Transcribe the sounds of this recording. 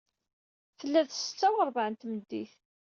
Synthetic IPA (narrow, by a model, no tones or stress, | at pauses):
θəlːæðθsə̥t͡sːæwəɾˤvaʕənt̪məd̪ːiθ